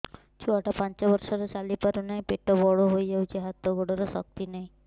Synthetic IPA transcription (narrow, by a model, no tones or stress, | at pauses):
t͡ʃʰuaʈapant͡ʃɔbɔɾsɔɾɔt͡ʃalipaɾunaj̃peʈɔbɔɭoɦojd͡ʒawt͡ʃʰiɦat̪ɔɡoɽɔɾɔsɔk̚t̪inaĩ